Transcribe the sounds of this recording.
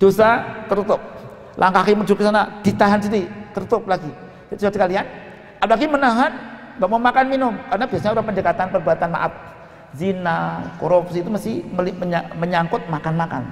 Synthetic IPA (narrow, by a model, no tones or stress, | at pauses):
d̥osat̪əɾut̪ʊp̚ | lʔaŋkakiməd͡ʒukisanad̥it̪aɦansidit̪ərɾut̪ʊp̚laɡi | t͡ʃuasəkalian | ʔapalaɡimənaɦan | baʔmamakanminʊmkaɾənabiasaɲaudapəndd͡ʒəkat̪anpərbuat̪anma̰ʔat̪̚ | zinakoɾupsiːt̪uməsɪməliməɲaməɲaŋkʊt̪̚makanmaka̰n